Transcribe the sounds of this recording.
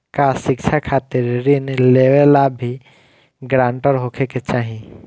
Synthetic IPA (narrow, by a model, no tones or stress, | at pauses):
kasɪkt͡ʃʰakʰaːt̪ɪɾɾɪnleʋelabʱi | ɡɾãːɳʈəɾɦokʰeket͡ʃaːɦĩ